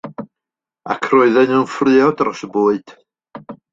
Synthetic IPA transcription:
a̰kʰroɨðɛnəwnfrɨɔdaɾɔsəboːɨd̥

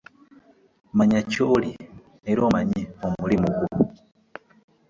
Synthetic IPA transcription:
maɲacoli | neɾomaɲiomulimukuu

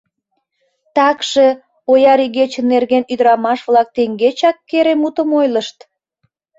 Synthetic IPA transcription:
t̪ɑkʃe | ojɑɾiɣet͡ɕənːerɣenyd̪əɾɑmɑʃβlɑk̚t̪eŋɡet͡ɕɑkːeɾemut̪əmojləʃt̪

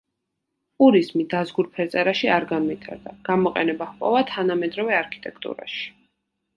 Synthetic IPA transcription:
pʼuɾizmid̪azɡuɾpʰɛɾt̪sʼɛɾaʃiaɾɡanvit̪ʰa̰ɾd̪aɡ̥amɔqʼɛ̰nɛbaχpʼɔvat̪ʰanamɛd̪ɾɔvɛaɾkʰi̥t̪ʼɛkʰt̪ʼṵɾa̰ʃi̥

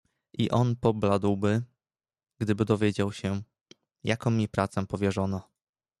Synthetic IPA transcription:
ʔiʔɔnpɔblad̪wbɘ | ɡ̥d̪ɘbɘd̪ɔvʲjed͡ʑawɕɛ | jakɔ̃mːʲipɾat̪sɛpɔvʲjɛʐɔnɔ

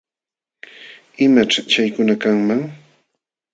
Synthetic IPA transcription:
ɪmaʈ͡ʂat͡ʃajkʊnakaŋmaŋ

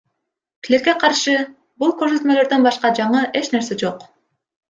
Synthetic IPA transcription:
klʲekːe̞qʰɑɾʃɯ | bulˠkøɾs̬ø̞t̪mø̞lø̞ɾd̪ønbɑʃqɑd͡ʒɑɴɯʔe̞t͡ʃne̞ɾse̞d͡ʒo̞q

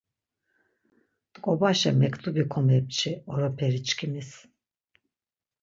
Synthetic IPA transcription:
t̪ʼkʼɔbaʃɛmɛkʰʼt̪ʰʼubikʰɔmɛp̚t͡ʃʰiɔɾɔpʰɛɾit͡ʃkʰimis

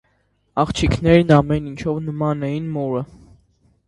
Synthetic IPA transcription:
ɑχt͡ʃʰikʰnɛɾnɑmɛnint͡ʃʰɔvnəmɑnɛjinmɔɾə

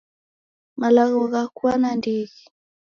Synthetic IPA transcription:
malaɣɔɣakuanandiɣi

